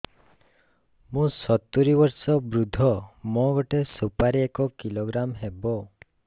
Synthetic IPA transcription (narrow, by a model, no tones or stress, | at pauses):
mũsɔt̪uɾibɔɾsɔbɾud̪ʱɔmɔ̃ɡɔʈesupaɾiekɔkiloɡɾamɦebɔ